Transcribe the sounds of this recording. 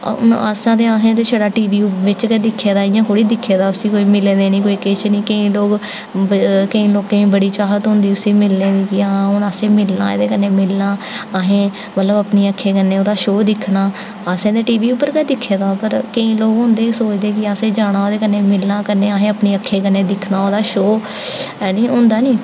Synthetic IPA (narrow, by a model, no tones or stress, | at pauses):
na̰ːsãːd̪eːaːsẽːt̪eːʃʰəɽaːʈiːʋiːʋɪt͡ʃkɛːd̪ɪkʰːeːd̪aːɪjãːɦoːɽiːd̪ɪkʰːeːd̪aːʊsiːkoːiːmɪleːd̪eːnĩːkoːiːkɪt͡ʃnĩːkəĩːloːɡ | kəĩːloːkẽːĩːbəɽiːt͡ʃaːɦət̪ɦʊ̃nd̪iːʊsiːmɪlnẽːd̪iːkɪaãʊnaːsẽːmɪlna̰ːɪ̰d̪eːkənːeːmɪlnaːaɦẽː | mət̪ləbəpniːəkʰːeːkənːẽːoːd̪aːʃoːd̪ɪkʰnaː | aːsẽːd̪eːʈiːʋiːʊpːəɾkɛːd̪ɪkʰːeːd̪aːpəɾkəĩːloːɡɦʊ̃ːnd̪eːsoːt͡ʃd̪eːkɪaːseːd͡ʒaːɽ̃aːoːd̪eːkənːeːmɪlnãːkənːeːaːɦẽːəpneːəkʰːeːkənːeːd̪ɪkʰnaːoːd̪aːʃoː | niːɦʊ̃nd̪aːnĩː